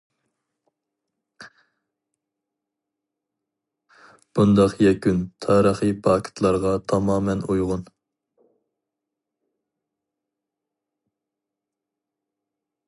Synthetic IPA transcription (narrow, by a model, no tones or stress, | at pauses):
b̥und̪ɑqjɛkʲynt̪ʰɑːɾəχɨpʰɑːkʲʰɪ̥t̪ʰlˠɑɾʁɑt̪ʰɑmɑːmɛnujʁʊn